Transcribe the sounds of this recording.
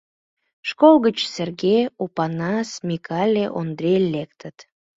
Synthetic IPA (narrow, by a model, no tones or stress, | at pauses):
ʃkolɣət͡ɕserɣeupɑnɑsmʲikɑlʲeʔond̪ɾʲelekt̪ət̪